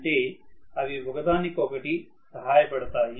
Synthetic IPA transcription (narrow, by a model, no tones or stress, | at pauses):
ʈeɐʋibʱɐɡd̪aːnikoːkɐʈi | sɐɦaːjpɐɽt̪aːɦi